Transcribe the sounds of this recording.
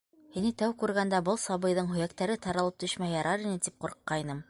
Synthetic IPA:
hinit̪æwkʉɾɡænd̪æbɤlˠsɑβɤ̆jðɤɴɦɵ̆jækt̪æɾɘt̪ʰɑɾɑlˠɤp̚t̪ɵ̆ʃmæjjɑɾʔɑɾinɘt̪ip̚quɾqːɑjnɤm

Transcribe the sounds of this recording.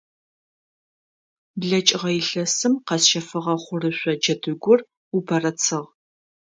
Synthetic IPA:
bɮɐt͡ʃʼɪʁɐjɪɬɐsɨmqɐsʃɐfɨʁɐχʷʊrɨɕʷɔd͡ʒɐdɨɡʷʊr | ubʰɐrɐt͡sʰɨʁ

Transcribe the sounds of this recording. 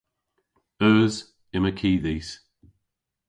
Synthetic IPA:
œːz | ɪməkʰiːðiːs

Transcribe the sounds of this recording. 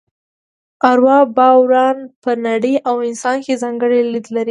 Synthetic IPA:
aɾwɑbɑwɾɑnpənaɽəjʔawɪnsɑnkezɑŋɡəɽelid̪laɾi

